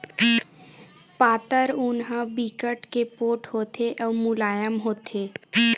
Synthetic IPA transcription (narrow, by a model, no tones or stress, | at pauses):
paːt̪əɾʊnɦə̃bikəʈkepoːʈhoːt̪eʔɔːmʊlaːjəmɦoːt̪ʰeː